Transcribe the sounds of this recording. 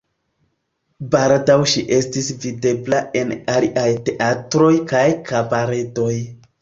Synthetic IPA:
baɾdawʃiʔe̞stisvide̞blaʔe̞naliʔajte̞ʔatɾo̞jkajkabaɾeto̞j

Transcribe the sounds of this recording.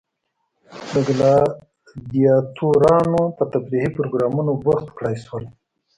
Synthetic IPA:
d̪əɡlɑ | d̪ijɑt̪ʰuɾɑnopət̪abɾihipɾoɡɾɑmunobaxt̪kɽajswəl

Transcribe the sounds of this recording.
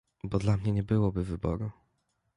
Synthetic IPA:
bɔd̪lamɲɛɲɛbɘwɔbɘvɘbɔ̰ɾu

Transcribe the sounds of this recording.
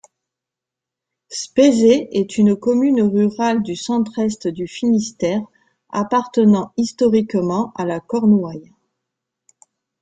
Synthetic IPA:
spezeɛt̪ʰynkɔmynʁyʁald̪ysɑ̃t̪χɛst̪d̪yfinist̪ɛʁ | a̰paʁt̪ənɑ̃ist̪ɔʁikmɑ̃alakɔʁnwaj

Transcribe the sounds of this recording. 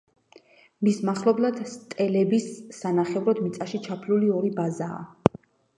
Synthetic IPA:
mismaχlˠɔblˠad̪̥st̪ʼɛlɛbisːanaχɛvɾɔd̪mit̪sʼaʃit͡ʃʰapʰluliɔɾibaza̰ː

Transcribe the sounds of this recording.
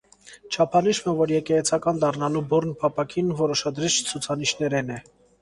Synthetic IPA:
t͡ʃʰɑpʰɑniʃmɛvɔɾjɛkɛɛt͡sʰɑkɑnd̪ɑrnɑlubɔɾnpʰɑpʰɑkʰinvɔɾɔʃɑd̪ɾit͡ʃʰt͡sʰut͡sʰɑniʃn̪ɛɾɛnɛ

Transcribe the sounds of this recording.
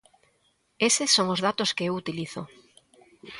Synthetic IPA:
esesːoŋozðat̪oskeewut̪iliθo

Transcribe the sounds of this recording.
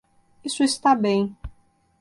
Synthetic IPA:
isʊist̪abẽj̃

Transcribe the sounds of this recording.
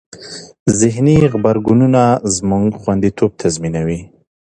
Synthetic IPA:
zɪɦniɣbaɾɡununazmuŋɡxwand̪it̪ʰob̚t̪ʰazminawi

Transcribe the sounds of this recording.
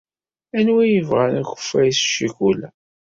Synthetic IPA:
ænwijəvʁænæçə̥fæjsʃiʝulæ

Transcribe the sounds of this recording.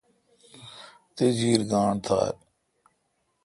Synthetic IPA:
t̪ed͡ʑiːɾɡaːɳt̪ʰa̰ːɾ

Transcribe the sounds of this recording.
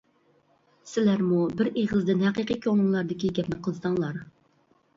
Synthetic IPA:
sɪlæɾmubɪɾeʁəzd̪ɨnhæqiqikʲʰonʊŋlˠɑɾd̪ɪkʲiɡʲɛpnɪqʰəlˠsɑŋlˠɑɾ

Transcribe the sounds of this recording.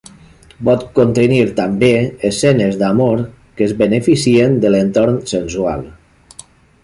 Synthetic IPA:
bɔt̪kont̪əniɾt̪ambeesɛnezd̪amoɾ | kəzβənefisiend̪əlent̪oɾnsənsua̰lˠ

